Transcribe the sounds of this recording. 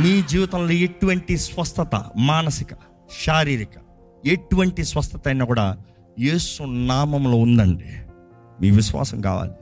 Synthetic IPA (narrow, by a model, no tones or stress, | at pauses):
miːd͡ʒiːʋit̪ɐmloːeʈuʋɐɳʈisʋɐst̪ʰɐt̪ɐ̰maːnɐsikɐ̥ | ʃaːɾiːɾikɐ̥ | eʈuʋɐɳʈisʋɐst̪ɐt̪ɐjnaːkuːɽa̰ː | je̞ːsunaːmɐmlo̞ːund̪ɐɳɖi | miːʋiʃʋa̰ːsɐmka̰ːʋa̰ːli